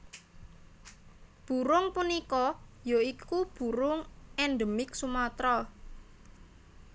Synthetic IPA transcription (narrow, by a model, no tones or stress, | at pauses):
b̥ṳɾʊŋpunikɔjoikub̥ṳɾʊŋɛnɖ̪əmɪksumat̪ɾɔ